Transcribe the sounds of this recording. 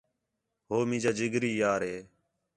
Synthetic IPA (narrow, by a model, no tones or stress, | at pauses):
ɦoːmĩːd͡ʒaːd͡ʒɪɡɾiːjaːɾɦeː